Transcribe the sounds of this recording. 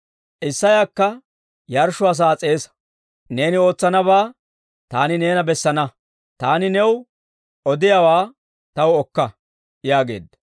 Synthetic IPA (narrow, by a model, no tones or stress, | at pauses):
ʔɪsːɐjakːɐ | jɐɾʃʊɐs̬aːt͡sʼe̞ːsɐ̥ | ne̞ːnɪo̞ːt͡sːɐnɐβaː | t̪aːnɪne̞ːnɐbɛsːɐnɐ | t̪aːnɪnɛw | ʔɔd̪ɪjɐwaː | t̪ɐwɔkːɐ | jaːɡe̞̰ːd̪ːɐ